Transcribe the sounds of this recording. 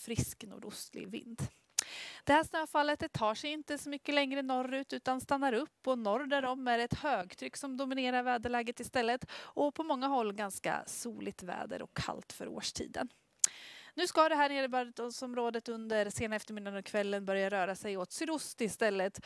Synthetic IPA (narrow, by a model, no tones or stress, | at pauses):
fɾɪskno̰ːɖʊst̪lɪ̰ɡvɪ̰nd̪ | d̪̥ɛhæːʂnøːfalːət̪ɛt̪ʰːɑːʂɛjɪnt̪əsɔmʏkːəlɛŋɾənɔrːʉ̟ːt̪ʉ̟ːt̪anst̪anːaɾɵpːɔnɔɾd̪æɾɔmːæɾɛt̪høːɡt̪ʰɾʏkːsɔmd̪ʊmɪneːɾaɾvɛːd̪əɭɛːɡət̪ɪst̪ɛlːət̪ɔpʰɔmɔŋːaɦɔlːɡanska̰suːlɪɡ̚t̪vɛ̰ːd̪ə̰ɾɔ̰kʰːa̰lt̪fœ̰ɾo̰ːʂʈʰḭːd̪ə̰n | nʉ̟ːskad̪ɛɦæːɳeːɾəbœət̪sɔmɾoːd̪ət̪ɵnd̪əɾseːnaɛft̪əɾmɪd̪ːanɔkʰvɛlːənbœɾjaɾœːɾasɛjot̪sʏɾʊst̪ɪɪst̪ɛlːət̪